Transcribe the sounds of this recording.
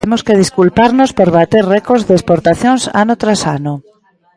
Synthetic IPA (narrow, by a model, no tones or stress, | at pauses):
emoskeð̞iskulpaɾnospoɾβat̪eɾrɛkozðespoɾt̪aθjoŋsa̰not̪ɾasano